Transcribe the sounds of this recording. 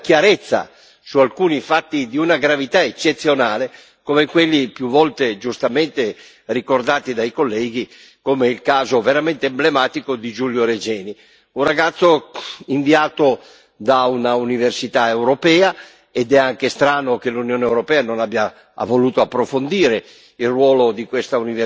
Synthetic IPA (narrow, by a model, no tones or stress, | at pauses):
kjaɾet̪sːa̰ | sualkuːnifat̪ːid̪iunaɡɾavit̪aet͡ʃːet̪sːjonaːle | komekwelːipjuvːɔlt̪ed͡ʒust̪ament̪e | rikord̪aːt̪id̪ajkolːɛːɡ̟i | komeilkaːzoveɾament̪eːmblemaːt̪ikod̪id͡ʒuljoɾed͡ʒɛːni | unraɡat̪sːoiɱviaːt̪o | d̪aunauniversit̪aewɾopɛːa | ed̪ɛaŋkest̪ɾaːnok̟elunjoːneɛwɾopɛːanonabja | a̰voluːt̪oapːɾofond̪iːɾe | ilrwɔːlod̪ikwest̪auniv